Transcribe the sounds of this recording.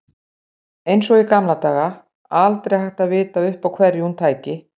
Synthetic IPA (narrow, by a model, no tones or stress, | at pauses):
ejnsɔikamlat̪aːɣa | alt̪ɾejhajxt̪aðvɪːt̪aʏhpawkʰvɛrjunt̪ʰaːjcɪ